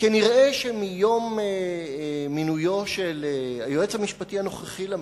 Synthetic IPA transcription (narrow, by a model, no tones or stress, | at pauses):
keniʁʔeʃemijo̞me | minujo̞ʃelajoet͡shamiʃpatihano̞χeχile